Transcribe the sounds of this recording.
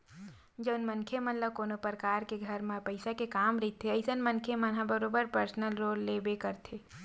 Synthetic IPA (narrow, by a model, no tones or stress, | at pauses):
d͡ʒəʊnmənkʰemənləkonopɾəkaɾkeɡʱəɾmẽpəɪsakekamɾəɪt̪ʰeəɪsənmənkʰemənɦãbəɾobəɾpəɾsnəlɾolːebekəɾt̪ʰe